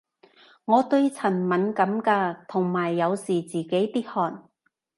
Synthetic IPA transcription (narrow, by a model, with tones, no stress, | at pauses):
ŋɔː˨˧t̪ɵ˧ɥt͡sʰɐ˨˩nmɐ˨˥nkɐ˨˥mkaː˧t̪ʰʊ˨˩ŋmaː˨˩jːɐ˨˧wsiː˨˩t͡siː˨˩ke˨˥jt̪iː˥t̚hɔː˨˩n